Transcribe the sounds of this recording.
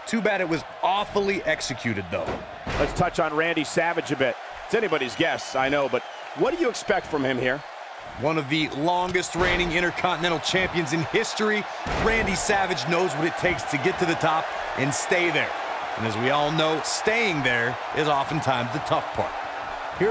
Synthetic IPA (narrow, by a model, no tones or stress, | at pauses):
tʰʉbæɾɨt̚wʌz | ɔfl̩ˠiʔɛksɨkʰj̥ʉɾɨd̪̚ðo̰ʊ | lətstʰʌt͡ʃn̩ɹæ̃ndisævɨd͡ʒɨbɪt̚ | ɨtsɛnibɑɾizɡɛstsaɪnoʊbʌt̚ | wʌt̚d̥ɨjɨːkspɛk̚tfɹʌ̃mɨ̃mhiɹ | wʌ̃nʌvðɨlɔ̃ŋɡɨst̚ɹẽɪ̃ñɪ̃ŋɪ̃ɾ̃ə˞kʰɑ̃nɨnɛ̃ɾ̃l̩ˠt͡ʃʰæ̃mpiɨ̃nzɨ̃nhɪstɹi | ɹæ̃ndisævɨd͡ʒnoʊzwʌɾɨtʰeɪkstʰɨɡɛtʰɨðɨtʰɑp̚ | ʔɨ̃nsteɪðə˞ | ɨ̰̃nɨzwiɔlˠnoʊsteɪɪ̃ŋðə˞ | ʔɪzɔfn̩tʰãɪ̃mzðɨtʰʌfpʰɑ̰ɹɾ̚ | hi